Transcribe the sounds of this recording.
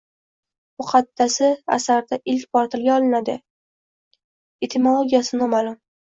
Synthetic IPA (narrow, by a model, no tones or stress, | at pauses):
mʊqʰɑt̪ːasɪa̰saɾd̪aʔɪlkʲbɒɾt̪ʰɪlɡʲaɒlˠɪnad̪ɪ | et̪ʰɪmolˠoɡʲijasɪnɒmalˠʊm